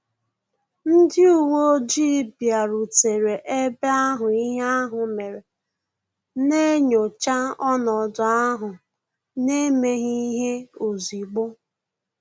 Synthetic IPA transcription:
n̩˦dɪ˦u˦wo˦d͡ʒi˦bja˨ɾu˨te˨ɾe˨ʔe˦be˦a˦ɦʊ˨i˦ɦe˦a˦ɦʊ˨me˨ɾe˨ | ne˦ɲo˨t͡ʃa˦ɔ˦nɔ˨dʊ˨a˦ɦʊ˨ | ne˦me˦ɣi˦ɦe˦o˨zi˨ɡ͡bo˦

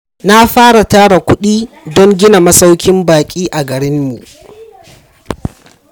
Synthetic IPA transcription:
na˦ɸaː˦ɽa˨taː˦ɽa˨kʷʊ˦ɗiː˦ | dɔ˦ŋɡʲɪ˦na˨mɐ˦sa˦wkʲɪ˦mbaː˨kʲʼiː˦ʔa˨ɡɐ˨ɽɪ˦mːi˨

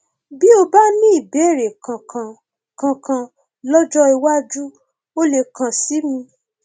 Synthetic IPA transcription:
bi˦o˧ba˦nĩ˦i˦˨be˨˦˨ɾe˨kã˨kã˧˨ | kã˧kã˧ | lɔ˦d͡ʒɔ˦i˧wa˦d͡ʒu˦ | o˦le˧kʰã˨si˨˦mĩ˧

